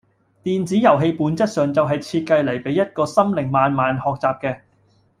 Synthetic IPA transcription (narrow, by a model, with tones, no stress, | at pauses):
t̪iː˨nt͡siː˨˥jɐ˨˩wɦe˧jpuː˨˥nt͡sɐ˥t̚sœː˨ŋt͡sɐ˨wɦɐ˨jt͡sʰiː˧t̚kɐ˧jle˨˩jpe˨˥jɐ˥t̚kɔː˧sɐ˥mlɪ˨˩ŋmaː˨nmaː˨nhɔː˨k̚t͡saː˨p̚kɛː˧